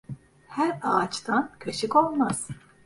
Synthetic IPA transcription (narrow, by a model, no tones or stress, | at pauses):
hæɾaːt͡ʃt̪ʰancʰøʃikolˠmaz̥